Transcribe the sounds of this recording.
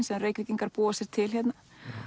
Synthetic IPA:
nsɛðanreːjciciŋkaɾpuːasjɛɾ̥t̪ʰɪlçjɛt̪na

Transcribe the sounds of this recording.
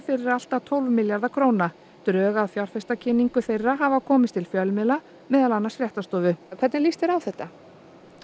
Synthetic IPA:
fɪɾɪɾal̥t̪at̪ʰowlvmɪljaɾðakʰɾowna | t̪ɾœːɣaðfjawɾ̥fɛst̪acʰɪniŋkʏθejrːaɦaːvakʰɔːmɪst̪ʰɪlfjœlmɪla | mɛːðalanːasfɾjɛht̪ast̪ɔːvʏkʰv̥ɛɾt̪nɪlist̪ɛɾawθɛht̪ːa

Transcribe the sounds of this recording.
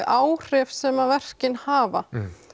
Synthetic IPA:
ʔaːwr̥ɪfsɛːmavɛr̥cɪnhaːva̰

